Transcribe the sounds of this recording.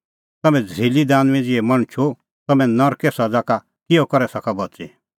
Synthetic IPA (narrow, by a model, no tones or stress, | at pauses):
t̪ɐmɛ̃d͡zʱilid̪aːnʋɛ̃d͡zɪɛmɐɽ̃t͡ʃʰo | t̪ɐmɛ̃nɔɾkɛsɐd͡zaka | kɪɔkɔɾɛsɐkabɐt͡sḭ